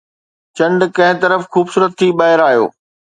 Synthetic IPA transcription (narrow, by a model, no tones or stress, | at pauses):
t͡ɕɐ̃ɳɖkɐ̃ɦɪ̃t̪ɐɾəfxuːbsuːɾət̪ʰːiɓaːɦɪɾaːɦijo̰ː